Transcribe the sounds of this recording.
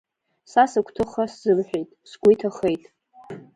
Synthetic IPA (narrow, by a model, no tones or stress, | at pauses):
sasakʷʰtʰɨχasz̥ɨlħʷᶣejtʼsɡʷijtʰaχejtʼ